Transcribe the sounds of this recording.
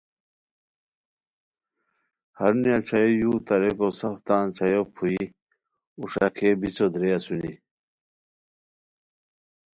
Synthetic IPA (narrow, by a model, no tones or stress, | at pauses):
hɐɾnijat͡ɕʰɐjojuːt̪ɐɾekosɐxt̪ãːnt͡ɕʰajopʰui | uʂa̰kʰeːbit͡sod̪ɾeasuni